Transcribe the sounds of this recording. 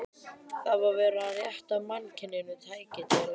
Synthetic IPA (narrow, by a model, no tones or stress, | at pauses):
θavaɾvɛːɾaːðjɛht̪amancʰɪnːɪnʏt̪ʰaːjcɪt̪ɪ